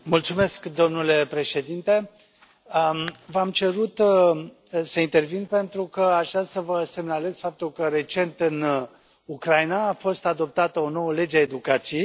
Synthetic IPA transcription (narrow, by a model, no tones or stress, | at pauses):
mult̪sume̞skd̪o̞mnule̞pɾe̞ʃe̞d̪int̪e̞ | əvamt͡ʃe̞ɾut̪ | səint̪e̞rvinpe̞nt̪ɾukəaʒd̪asəvəse̞mnale̞z̥fap̚t̪ulkəɾe̞t͡ʃe̞nt̪ɨn | ukɾajnaːfo̞st̪ad̪o̞p̚t̪at̪əo̞no̞wəle̞d͡ʒeaed̪ukat̪sijej